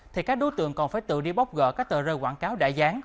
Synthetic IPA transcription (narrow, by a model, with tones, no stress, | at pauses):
t̪ʰi˨˩kaː˦˥k̚ɗo˨˦t̪ɨ̰˧˨əŋkɔ˨˩nfaː˧˩jt̪ɨ̰˧˨ɗi˧ɓa˦˥wk͡p̚ɣə̰ː˧˨kaː˦˥k̚t̪əː˧˨˩zəː˧waː˧˩˨ŋkaː˨˦wɗa̰˧˩zaː˨˦ŋ